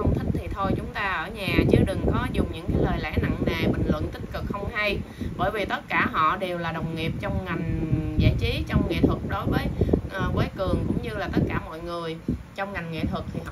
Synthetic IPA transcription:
ə˧ŋ͡mt̪ʰï˦˥k̚t̪ʰi˨˩t̪ʰo˧jt͡ɕʊ˨˦ŋ͡mt̪aː˧ʔəː˧˩ɲaː˨˩t͡ɕɨ˨˦ɗɨ˨˩ŋkɔ˨˦zʊ˨˩ŋ͡mɲɨ̰˧˥ŋkaː˨˦jləː˨˩jlɛ̰˧˥na˧ŋna˨˩jɓï˨ŋ̟lwə̰˧˨nt̪ï˦˥t̚kɨ˨˩k̚xə˧wŋ͡mha˧j | ɓəː˧˩jvi˨˩t̪ə˦˥t̚kaː˧˩ɦɔ̰˧˨ɗe˨˩wlaː˨˩ɗə˨˩wŋ͡mŋi˨˩əp̚t͡ɕɔ˧wŋ͡mŋa˨˩jŋ̟za̰ː˧˥t͡ɕi˨˦t͡ɕɔ˧wŋ͡mŋḛ˧˨t̪ʰwɨ˨˩k̚ɗo˨˦jvəː˨˦jʔəː˨˩vəː˨˦jkɨ˨˩əŋkʊ̰˧˥ŋ͡mɲɨ˧laː˨˩t̪ə˦˥t̚kaː˧˩mɔ̰˧˨jŋɨ˨˩əj | t͡ɕɔ˧wŋ͡mŋa˨˩jŋ̟ŋḛ˧˨t̪ʰwɨ˨˩k̚t̪ʰi˨˩h

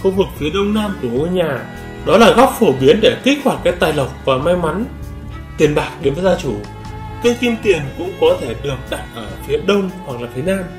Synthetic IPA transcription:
xu˧vɨ˨˩k̚fi˨˦əɗə˧wŋ͡mna˧mt̪u˨˧˩ŋu˧ɲaː˨˩ | ɗɔ˨˦laː˨˩ɣɔ˦˥p̚fo˧˩ɓi˨˦ənɗe˧˩ki˦˥k̚hwa˧˩t̚kaː˨˦˥jt̪aː˨˩jlə˨˩wk͡p̚vaː˨˩ma˧jma˨˦n | t̪i˨˩ənɓaː˨˩k̚ɗe˨˦mvəː˨˦zaː˧t͡ɕu˧˩ | ka˨˦jxi˧mt̪i˨˩ənkʊ̰˧˥ŋ͡mkɔ˨˦t̪ʰe˧˩ɗɨ˨˩ək̚ɗa̰˧˨k̚ʔəː˧˩fi˨˦əɗə˧wŋ͡mhwa˨˩k̚laː˨˩t̪ʰe˨˦naː˧m

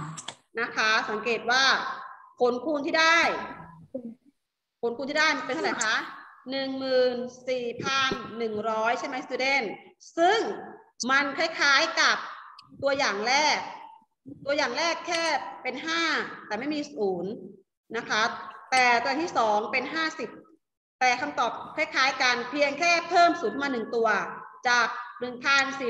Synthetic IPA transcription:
na˦˥kʰa˦˥sa˩˦ŋkeː˨˩t̪̚waː˥˩kʰo˩˦nkʰuː˧nt̪ʰiː˥˩da˥˩j | kʰo˩˦nkʰu˧nt̪i˥˩daː˥˩jmpe˧nʰsʰla˨˩jkʰa˦˥nɯ˨˩ŋmɯː˨˩nsiː˨˩pʰa˧nːɯ˨˩ŋɾɔː˦˥jt͡ɕʰa˥˩jma˦˥jsi˧de˧˥˩nsɯ˥˩ŋ | ma˧nkʰa˥˩jkʰaː˦˥jka˨˩p̚t̪u˧ɐjaː˨˩ŋɾɛː˥˩k̚ | t̪u˧ɐjaː˨˩ŋɾɛː˥˩kʰːɛː˥˩pe˧nɦaː˥˩t̪ɛː˨˩ma˥˩jmiː˧suː˩˦n | na˦˥kʰa˦˥t̪ɛː˨˩t̪u˧a˨˩t̪ʰiː˥˩sɔː˩˦ŋpe˧nɦaː˥˩si˨˩p̚ | t̪ɛː˨˩kʰa˧mt̪ɔː˨˩p̚kʰaː˧˥˩jkʰaː˩˦˥jka˧npʰi˧əŋkʰɛː˥˩pʰɤː˥˩msuː˨˩˦nmaː˧nɯ˨˩ŋt̪u˧ɐt͡ɕaː˨˩k̚nɯ˨˩ŋpʰa˧nsiː˨˩

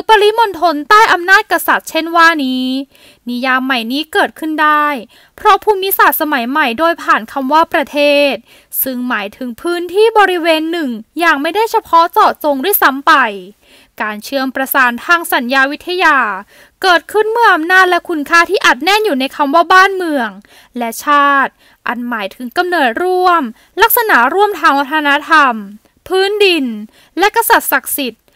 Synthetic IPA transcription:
pːa˧li˦˥mo˧nt̪ʰo˧nt̪aː˥˩jʔa˧mnaː˥˩t̪̚ka˧sa˨˩t̪̚t͡ɕʰe˥˩nwaː˥˩niː˦˥ | ni˦˥jaː˧mːa˨˩jniː˦˥kɤː˨˩t̪̚kʰɯ˥˩ndaː˥˩j | pʰɾɔ˦˥pʰuː˧mni˦˥sa˨˩t̪̚sa˧ma˩˦jma˨˩jdoː˧jpʰaː˨˩nkʰa˧mwaː˥˩pɾa˧t̪ʰeː˥˩t̪̚ | sɯ˧˩ŋmaː˩˦jt̪ʰɯ˨˩˦ŋpʰɯː˦˥nt̪ʰiː˥˩bɔː˧ɾi˦˥weː˧nːɯ˨˩ŋjaː˨˩ŋma˥˩jdaː˥˩jt͡ɕʰa˧pʰɔ˦˥t͡sɔː˨˩t̪̚so˧ŋdu˥˩əjsa˧˦˥mpa˧j | kaː˧nt͡ɕʰɯ˧əmpɾa˧saː˨˦nt̪ʰaː˧ŋsa˩˦njaː˧wi˦˥t̪ʰːa˧jaː˧ | kɤː˨˩t̪̚kʰɯ˥˩nmɯ˥˩ʔa˧mnaː˥˩t̪̚lɛ˦˥kʰu˧˥nkʰaː˦˥t̪ʰiː˥˩ʔa˨˩t̪̚nɛ˥˩njuː˨˩na˧jkʰa˧mwaː˥˩baː˥˩nmɯ˧əŋ | lɛ˦˥t͡ɕʰaː˥˩t̪̚ | ʔa̰˧˩nmaː˩˦jt̪ʰɯ˩˦ŋka˧mnɤː˨˩t̪̚ɾu˥˩əm | la˦˥k̚sa˧na˩˦ɾu˥˩əmt̪ʰaː˧ŋwa˧˥t̪ʰaː˧na˦˥t̪ʰa˧m | pʰɯː˦˥ndi˧n | lɛ˦˥ka˧sa˨˩t̪̚sa˨˩k̚si˨˩t̪̚

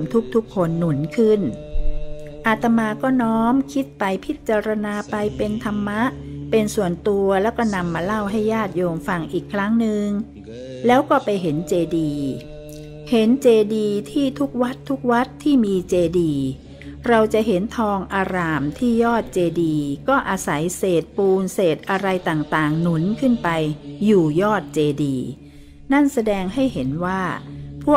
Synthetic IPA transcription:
mt̪ʰu˦˥k̚t̪ʰu˦˥kʰːo˧nːu˩˦nkʰɯ˥˩n | ʔa˧t̪a˧maː˧kɔː˥˩nɔː˦˥mkʰi˦˥t̪̚pa˧jpʰi˦˥t̪̚t͡ɕaː˧ɾa˧naː˧pa˧jpe˧nt̪ʰa˧mːa˦˥ʔ | pe˧nsu˨˩ənt̪u˧ɐlɛː˦˥wkɔː˥˩na˧mːaː˧la˥˩wɦa˥˩jːaː˥˩t̪̚joː˧mfa˧ŋʔiː˨˩kʰːɾa˦˥ŋnɯ˧ŋ | lɛː˦˥wkɔː˥˩pa˧jɦe˩˦nt͡ɕeː˧diː˧ | he˨˩˦nt͡ɕeː˧diː˧t̪ʰiː˥˩t̪ʰu˦˥k̚wa˦˥t̪ʰːu˦˥k̚wa˦˥t̪ʰːiː˥˩miː˧t͡ɕeː˧diː˧ | ɾa˧wt͡ɕa˨˩ʔɦe˩˦nt̪ʰɔː˧ŋʔaː˧ɾaː˧mt̪ʰiː˥˩jɔː˥˩t̪̚t͡ɕeː˧diː˧kɔː˥˩ʔaː˧sa˩˦jseː˨˩t̪̚puː˧nseː˨˩t̪̚ʔa˧ɾa˧jt̪aː˨˩ŋt̪aː˨˩ŋnu˨˩˦nkʰɯ˥˩npa˧jːuː˨˩jɔː˥˩t̪̚t͡ɕeː˧diː˧ | na˥˩nsa˧dɛː˧ŋɦa˥˩jhe˩˦nwaː˥˩pʰu˥˩

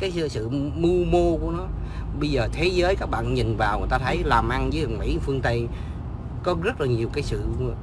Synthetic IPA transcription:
kaː˨˦jjsɨ̰˧˨mu˧mo˧ku˧˩ənɔ˨˦ | ɓə˧jzəː˨˩t̪ʰe˨˦zəː˨˦jkaː˦˥k̚ɓa̰ː˧˨nɲï˨˩ŋvaː˨˩wŋː˨˩t̪aː˧t̪ʰə˨˦jlaː˨˩mʔa˧nzəː˨˦a˨˩ŋmḭ˧˥˨fɨ˧əŋt̪ə˧j | kɔ˨˦zə˦˥t̚laː˨˩ɲi˨˩əwkaː˨˦jsɨ̰˧˨

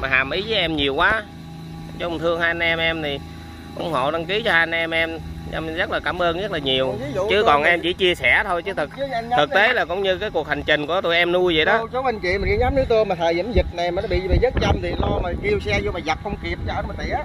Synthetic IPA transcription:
maː˨˩aː˨˩mʔi˨˦vəː˨˦ʔɛ˧mɲi˨˩əwkwaː˨˦ | t͡ɕŋ͡mt̪ʰɨ˧əŋhaː˧n˧ɛ˧mʔɛ˧mt̪ʰi˨˩ | ʔʊ˧˩˦ŋ͡mho̰˧˨ɗa˧ŋki˨˦t͡ɕɔ˧ha˧˩nʔɛ˧mʔɛ˧mʔɛ̰˧mzə˦˥t̚laː˨˩kaː˧˩mʔəː˧nzə˦˥t̚laː˨˩ɲi˨˩əwt͡ɕɨ˨˦kɔ˨˩nʔɛ˧mt͡ɕḭ˧˩˦t͡ɕi˧əsɛ˧˩t̪ʰo˧jt͡ɕɨ˨˦t̪ʰɨ˨˩k̪̚ʰɨ˨˩t̪e˨˦laː˨˩kʊ̰˧˥wŋ͡mɲɨ˧kaː˨˦jku˨˩ək̚ha˨˩jŋ̟t͡ɕï˨˩ŋ̟ku˧˩ə˩t̪u˧jʔɛ˧mnu˧jvə̰˧˨jɗɔ˨˦o˨˦ɓə˧˩ŋkḭ˧˨maː˨˩ki˧˦ɲaː˨˦mnɨ˨˦˥t̪u˧jmaː˨˩əː˨˩jə˧˨˦mzi˨˩t̚na˨˩maː˨n˨˦ɓḭ˧˨vi˨zə˦˥t̚t͡ɕa˧mt̪ʰi˨˩lɔ˧maː˨˩ki˧əwsɛ˧zo˧maː˨˩za˨˩p̚xə˧wŋ͡mki˨˩əp̚t͡ɕɔ˧əː˧˩maː˨˩t̪ḭ˧˨

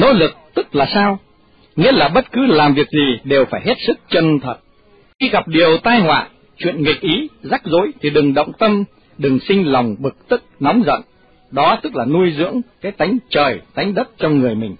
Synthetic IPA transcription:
no̰˧˥lɨ˨˩k̚t̪ɨ˦˥k̚laː˨˩saː˧w | ŋḭ˧˥əlaː˨˩ɓə˦˥t̚kɨ˨˦laː˨˩mvi˨˩ək̚zi˨˩ɗe˨˩wfaː˧˩jɦe˦˥t̚sɨ˦˥k̚t͡ɕə˧nt̪ʰwə˨˩t̚ | xi˧ɣa˨˩p̚ɗi˨˩əwt̪aː˧jhwa̰ː˧˨ | t͡ɕwḭ˧˨ənŋï˨˩k̚ʔi˨˦za˦˥k̚zo̰˧˥jt̪ʰi˨˩ɗɨ˨˩ŋɗə̰˧˨wŋ͡mt̪ə˧m | ɗɨ˨˩ŋsï˧ŋ̟la˨˩wŋ͡mɓɨ˨˩k̚t̪ɨ˦˥k̚nɔ˨˦wŋ͡mzə̰˧˨n | ɗɔ˨˦t̪ɨ˦˥k̚laː˨˩nu˧əjzɨ̰˧˥əŋkaː˨˦jt̪a˨˦jŋ̟t͡ɕəː˨˩jt̪a˨˦jŋ̟ɗə˦˥t̚t͡ɕɔ˧wŋ͡mŋɨ˨˩əjmï˨˩ŋ̟

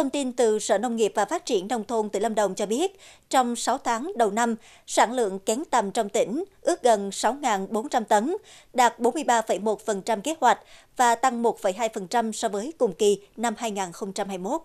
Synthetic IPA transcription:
t̪ʰə˧wŋ͡mt̪i˧nt̪ɨ˨˩sə̰ː˧˩nə˧wŋ͡mŋi˨˩əp̚vaː˨˩faː˦˥t̚t͡ɕi˧˩ənːə˧wŋ͡mt̪ʰo˧nt̪ɨ˨˧˩lə˧mɗə˨˩wŋ͡mt͡ɕɔ˧ɓi˦˥ət̚ | t͡ɕɔ˧wŋ͡msa˨˦wt̪ʰaː˨˦ŋɗə˨˩wna˧m | saː˧˩nlɨ̰˧˨əŋkɛ˨˦nt̪ə˨˩mt͡ɕɔ˧wŋ͡mt̪ḭ̈˧˩ŋ̟ʔɨ˦˥ək̚ɣə˨˩nsa˨˦wŋaː˨˩nɓo˨˦nt͡ɕa˧mt̪ə˨˦n | ɗaː˨˩t̚ɓo˨˦nmɨ˧əjɓaː˧fə˧˩jmo˨˩t̚fə˨˩nt͡ɕa˧mke˦˥t̚hwa˨˩jk̟̚ | vaː˨˩t̪a˧ŋmo˨˩t̚fə˧˩jɦaː˧jfə˨˩nt͡ɕa˧msɔ˧vəː˨˦jkʊ˨˩ŋ͡mki˨˩na˧mhaː˧jŋaː˨˩nxə˧wŋ͡mt͡ɕa˧mhaː˧jmo˦˥t̚

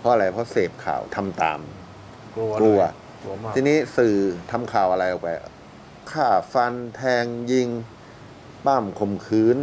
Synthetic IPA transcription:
pʰɔ˦˥ʔa˧ɾa˧jpʰɾɔ˦˥seː˨˩p̚kʰa̰ː˨˩wt̪ʰa˧mt̪a̰ː˨˧m˧ | u˧ɐ˧ | iː˧niː˦˥sɯː˨˩t̪ʰa˧mkʰaː˨˩wʔa˧ɾa˧jʔɔː˨˩k̚pa˧j | kʰaː˥˩fa˧nt̪ʰɛː˧ŋji˧ŋ | paː˥˩mkʰo˧mkʰɯː˦˥n

